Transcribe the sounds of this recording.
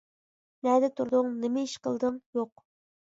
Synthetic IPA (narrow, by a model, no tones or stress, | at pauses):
næd̪ɛt̪ʰuɾd̪ʊŋnɪmɪiʃqə̰lˠd̪ɨŋjoq